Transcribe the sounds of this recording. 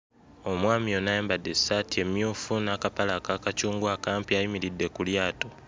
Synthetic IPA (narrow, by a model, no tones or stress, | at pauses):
o̞mwaːmionajaːmbadesatie̞mjuːfunakapalaːkaːkat͡ʃuːŋɡwaːkaːmpiajimiɾidːe̞kuljaːto